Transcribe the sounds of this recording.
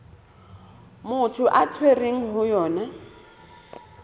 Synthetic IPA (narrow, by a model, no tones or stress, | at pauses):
mʊtʰʊʔat͡sʰwereŋ̩ɦʊjɔːna